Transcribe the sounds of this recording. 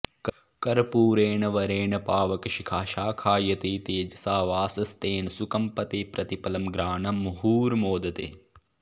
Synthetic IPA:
k | kɐɾpuːɾeːɳɐʋɐɾeːɳɐpaːʋɐkɐʃikʰaːʃaːkʰaːjɐt̪eːt̪eːd͡ʒɐsaːʋaːsɐst̪eːnɐsukɐmpɐt̪eːpɾɐt̪ipɐlɐmɡɾaːɳɐmɐɦuːɾmoːd̪ɐt̪ḛː

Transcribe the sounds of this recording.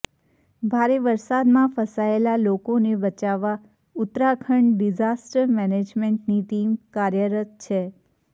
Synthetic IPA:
bʱaɾeʋəɾsad̪mãfəsaelalokonebət͡ʃaʋa | ʊt̪ɾakʰəɳɖid͡ʒasʈəɾmɛned͡ʒmeɳʈniʈimkaɾjəɾət̪̚t͡ʃʰe

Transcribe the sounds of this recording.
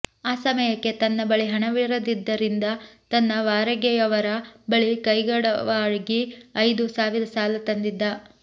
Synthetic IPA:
aːsɐmɐjɐkːe̞t̪ɐnːɐbɐɭiɦɐɳɐʋiɾɐd̪id̪ːɐɾind̪ɐt̪ɐnːɐʋaːɾɐɡɛjɐʋɐɾɐbɐɭikɐjɡɐɽɐ̰ʋaːɻuɡiɐjd̪usaːʋiɾɐsaːlɐt̪ɐnd̪id̪ːɐ

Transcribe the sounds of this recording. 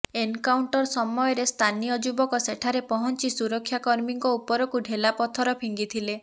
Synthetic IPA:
enkawɳʈɔɾsɔmɔjɔɾest̪ʰanijɔd͡ʒubɔkɔseʈʰaɾepɔɦɔnt͡ʃisuɾɔkʰːjakɔɾmiŋkɔupɔɾɔkuɖʱelapɔt̪ʰɔɾɔpʰiŋɡit̪ʰile

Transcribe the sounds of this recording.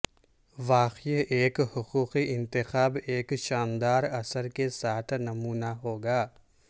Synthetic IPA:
ʋaːqieːkhʊquːqiʔɪ̃nt̪ɪxaːbeːkʃaːnd̪aːɾɐsəɾkesaːt̪ʰnɐmuːnaɦoːɡaː

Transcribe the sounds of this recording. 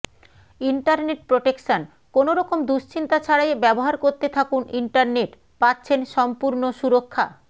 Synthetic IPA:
iɳʈaɾneʈ̚pɾoʈekʃon | konoɾɔkomd̪uʃt͡ɕʰint̪at͡ɕʰaɽajebɛboɦaɾkoɾt̪et̪ʰakuniɳʈaɾneʈ | patːɕʰenʃɔmpuɾnoʃuɾokʰːa̰

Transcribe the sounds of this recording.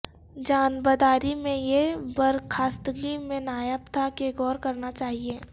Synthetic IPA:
d͡ʒaːnbəd̪aːɾimẽjebɐɾkʰaːst̪əɡimẽnaːjəpt̪ʰakeɡɔːɾkɐɾnat͡ʃaːɦieː

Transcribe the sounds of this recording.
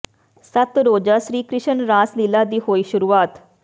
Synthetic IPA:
sət̪ɾoːd͡ʒasɾiːkɾɪʃənɾaːslilad̪iːɦoːiːʃʊɾuaːt̪

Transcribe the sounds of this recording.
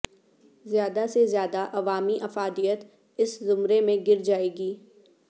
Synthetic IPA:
zjaːd̪asezjaːd̪aʔɐʋaːmiʔɐfaːd̪ijət̪ | ɪszʊmɾemẽɡɪɾd͡ʒaːeːɡiː

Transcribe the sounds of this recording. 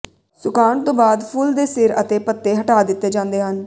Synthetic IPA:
sʊkaːɳt̪õːbaːd̪pʰʊld̪eːsɪɾət̪eːpət̪ːeːɦəʈaːd̪ɪt̪ːeːd͡ʒãːnd̪eːɦən

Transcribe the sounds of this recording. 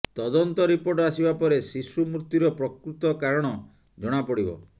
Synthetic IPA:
t̪ɔd̪ɔnt̪ɔɾipoɾʈɔasibapɔɾesisumut̪ːuɾɔpɾɔkɾut̪ɔkaɾɔɽ̃ɔ | d͡ʒɔɽ̃apɔɽibɔ̰

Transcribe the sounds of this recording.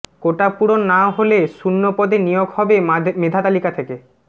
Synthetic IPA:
koʈapuɽonːaɦolesunːopɔd̪enijoɡhɔbemed̪ʱat̪alikat̪ʰeke

